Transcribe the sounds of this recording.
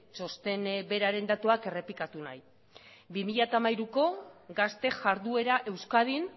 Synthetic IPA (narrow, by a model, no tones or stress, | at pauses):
so̞st̪e̞nbe̞ɾaɾe̞nd̪at̪uake̞re̞plikat̪una̰j | bimiʎat̪amajɾuko̞ɡast̪e̞ʝaɾðue̞ɾaʔe̞wskað̞in